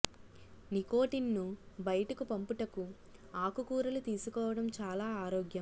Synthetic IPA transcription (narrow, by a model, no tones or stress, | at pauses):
nikoːʈinːubɐjɐʈɐkupɐmpuʈɐku | aːkukuːɾɐlut̪iːsukɔːʋɐɽɐmt͡ʃaːlaːaːɾɔːɡjɐm